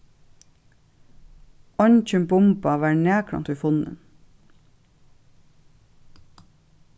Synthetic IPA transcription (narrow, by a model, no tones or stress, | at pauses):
ɔɲc͡çʏmbʊmpɑʋæːɳeːkʰɽɑ̰nt̪yːfʊnə̰n